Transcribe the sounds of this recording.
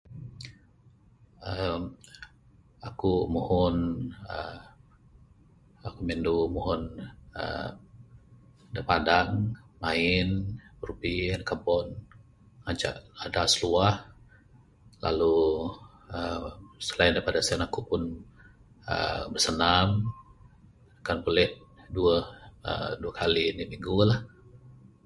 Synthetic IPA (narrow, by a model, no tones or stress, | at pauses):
əm | akumuhʊnə | akumɛndumuɦʊnə̰ | dəpadaŋmaɪnrubinkabɔn | ŋat͡ʃa̰ʔadasəluah | la̰lu | əmsə̥laɪndaɾipadasɛnakupʊn | ə̰bərsənam | akanbulɛt̪̚duəə̰duəkʰalinimiŋɡulah